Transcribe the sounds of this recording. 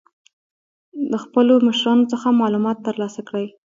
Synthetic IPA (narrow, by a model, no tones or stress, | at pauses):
d̪əxpəloməʃɾɑnot͡səxamɑlumɑt̪ːəɾlɑsakɽəj